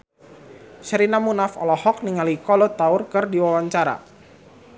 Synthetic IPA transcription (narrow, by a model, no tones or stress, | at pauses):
ʃəɾinamunafɔ̰lɔhɔk̚niŋalikɔlɔt̪aʊrkɨrdiwawaɲt͡ʃaɾa̰